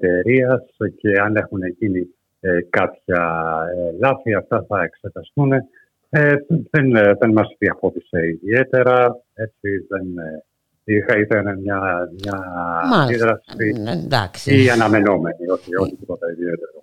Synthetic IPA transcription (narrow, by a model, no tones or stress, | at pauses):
t̪e̞ɾiɐsce̞ɐne̞xunecini | ekɐpçɐelɐθiɐft̪ɐθɐe̞kse̞t̪ɐst̪une̞ | eðenðenmɐsðiɐxo̞ðiseiðie̞t̪e̞ɾɐ | e̞t̪siðen | ixɐiθenemɲɐmɲɐːnd̪iðɾɐsisiɐnɐme̞no̞me̞nio̞t̪io̞lit̪ipo̞t̪ɐiðie̞t̪e̞ɾo